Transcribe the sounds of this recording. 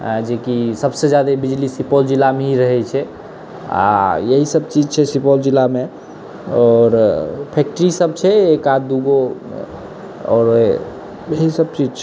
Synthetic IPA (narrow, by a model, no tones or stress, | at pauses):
d͡ʒekisəbsed͡ʒjad̪ebid͡ʒlisipɔld͡ʒilːameɦiɾəɦɛt͡ʃʰɛ | a̰jəɦisəb̚t͡ʃid͡ʒt͡ʃʰɛsipɔld͡ʒilːame | ɔːɾpʰɛk̚ʈəɾisəb̚t͡ʃʰɛekad̪uɡo̰ | ɔ̰ːɾ | jəɦisəb̚t͡ʃid͡ʒt͡ʃʰɛ